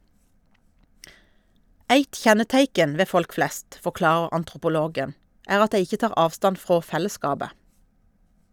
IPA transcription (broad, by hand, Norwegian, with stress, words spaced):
ˈæɪt ˈçɛnəˌtæɪkən̩ ˈʋeː ˈfɔlk ˈflɛst fɔˈklɑːʁəʁ ɑntʁʊpʊˈloːɡən ˈæːʁ ˈɑt ˈdæɪ ˈɪçə ˈtɑːʁ ˈɑːʋˌstɑn ˈfʁoː ˈfɛləˌskɑːbə